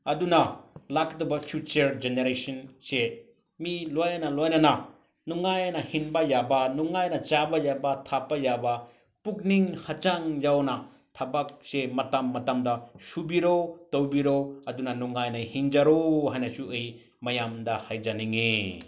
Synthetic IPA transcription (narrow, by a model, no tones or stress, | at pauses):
ɐdunɐlakdobɐpʰjut͡ʃɐɾd͡ʒeneɾesɐnse | milojnɐlojnɐnɐ | nuŋajnɐhinbɐjabɐnuŋajnɐt͡ʃabɐjabɐtʰapːɐjabɐ | puk̚niŋhɐt͡ʃaŋjawnɐ | tʰɐbak̚semɐtamːɐtamdɐsubiɾowtowbiɾowɐdunɐnuŋajnɐhiŋd͡ʒaɾohajnɐsuɯj | mɐjamdɐhajd͡ʒaniŋe